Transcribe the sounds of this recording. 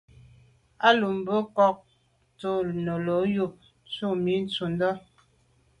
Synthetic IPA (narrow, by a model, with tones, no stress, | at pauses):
a˦lu˨m̩˨bə˦kɔ˦˨k̚ | to˦˨nə˨lo˨˦ju˦˨ | t͡su˦mi˦n˦t͡su˨n˦dɔ˦